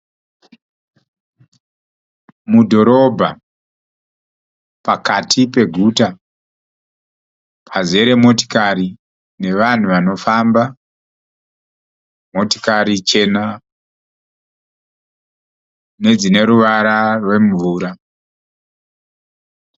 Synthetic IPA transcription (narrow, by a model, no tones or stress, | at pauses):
mudʱo̞ɾo̞bʱa | pakatʰipe̞ɡʱuta | pʰaze̞ɾe̞moti̥kaɾi | ne̞ʋan̤uʋano̞famba | mo̞ti̥kaɾit͡ʃe̞na | ne̞d͡zine̞ɾuʋaɾarwe̞ɱvuːɾa